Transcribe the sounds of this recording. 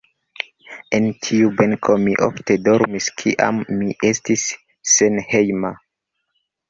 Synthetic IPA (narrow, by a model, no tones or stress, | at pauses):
entʰiubeŋkʰo̞miʔo̰fte̞do̞ɾmiskʰḭʔa̰mːiʔe̞stisː | e̞nhejma